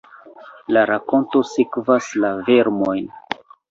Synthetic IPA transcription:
laɾako̞nto̞sikvaslave̞ɾmo̞jn

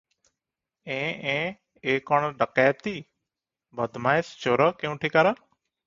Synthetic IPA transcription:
ẽːẽː | eːkoːɳɖəkaːt̪iː | bʱəd̪maːest͡ʃoːɾəkẽũːʈʰiːkaːɾaː

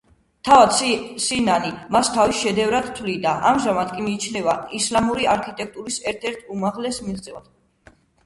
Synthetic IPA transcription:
t̪ʰavad̪sinanimast̪ʰavisʃɛd̪ɛvɾad̪t̪ʰlid̪aʔamʒamad̪kʼimiːt͡ʃʰnɛvaislamuɾiaɾkʰit̪ʼɛk̚ʰt̪ʼuɾisɛɾt̪ʰɛɾt̪ʰumaʁlɛsmiʁd̪zʼɛva̰d̪̥

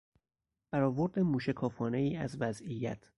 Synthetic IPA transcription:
b̥æɾɒːvo̞ɾd̪emuːʃekʰɒːfɒːne̞jiːæzvæzijæ̰t̪ʰ

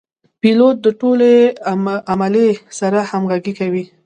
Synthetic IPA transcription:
pilot̪̚d̪əʈole | ʔamalesaɾahamɣaɡikawi

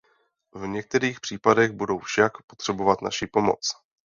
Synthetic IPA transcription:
vɲɛk̚t̪ɛɾiːxpr̥iːpadɛɣbudowfʃakpot̪r̝̥ɛbo̞vat̪na̰ʃipo̞mo̰t͡s

